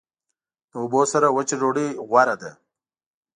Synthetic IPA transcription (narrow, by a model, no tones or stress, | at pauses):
obosaɾawət͡ʃiɾoɽiɣwaɾad̪a